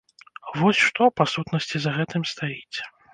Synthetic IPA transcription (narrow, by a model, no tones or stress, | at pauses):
vɔsʲʂt̪ɔpasut̪nɐsʲt͡sʲizɐɣɛt̪ɨmst̪ajit͡sʲ